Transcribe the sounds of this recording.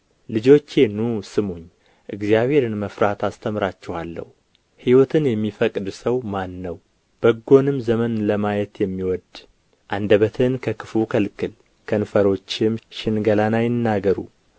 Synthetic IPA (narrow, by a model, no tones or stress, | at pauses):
lɨd͡ʒo̞t͡ʃːenusɨmuɲː | ʔɨɡzijaβhe̞ɾɨnməfɾat̪ʰast̪ʰəmɾat͡ʃːɛhalːə̰hu | hiwɔt̪ʰɨnjɛmːifəkʼd̪səwmanːəw | b̥əɡːo̞nɨmzəmənləmajɛt̪jɛmːiwɔd̪ | ʔand̪əβət̪ʰɨnkʰəkʰɨfukʰəlkʰɨl | kʰənfəɾo̞t͡ʃːɪmʃɪnɡəlanajɪnːaɡəɾṵ